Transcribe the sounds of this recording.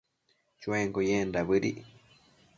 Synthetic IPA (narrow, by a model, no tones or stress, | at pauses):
t͡ʃuẽŋɡojend̪aβɨɾḭʔ